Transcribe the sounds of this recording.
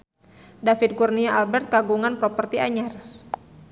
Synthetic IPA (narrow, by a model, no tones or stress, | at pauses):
dafid̪̚kurniaʔalbɛrt̪̚kaɡuŋanpɾɔpərt̪iaɲar